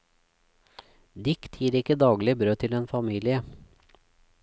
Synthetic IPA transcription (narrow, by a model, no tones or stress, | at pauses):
d̪ɪkt̪ʰjiːɾɪkəd̪ɑːɡlɪbɾøːt̪ʰɪleːnfɑmiːlɪə